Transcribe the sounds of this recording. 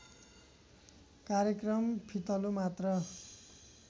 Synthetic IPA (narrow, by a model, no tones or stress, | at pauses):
kaɾjʌkrʌmpʰit̪ʌlumat̪rʌ